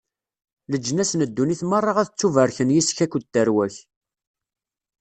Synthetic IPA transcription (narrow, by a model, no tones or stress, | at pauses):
ləd͡ʒːnæsnəd̪ːuniθmərˤːɑʁæθət͡sːuvəɾçənjisçækʷːt̪ːəɾwæç